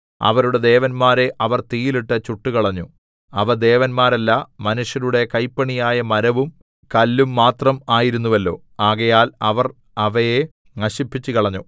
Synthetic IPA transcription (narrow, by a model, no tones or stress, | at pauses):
ɐ̰ʋɐɾuɽe̞d̪e̞ːʋɐnmaːɾe̞ʔɐʋɐrt̪iːjiliʈːɐt͡ɕuʈːukɐɭɐɲːu | ɐʋɐd̪e̞ːʋɐnmaːɾɐlːɐmɐnuʂjɐnuɽe̞kɐjpːɐɳijaːjɐmɐɾɐʋum | kɐlːumːaːt̪rɐmaːjiɾunːuʋɐlːo̞ː | aːɣɐjaːlɐʋɐr | ɐʋɐje | ŋɐɕipːit͡ɕːukɐɭɐɲːu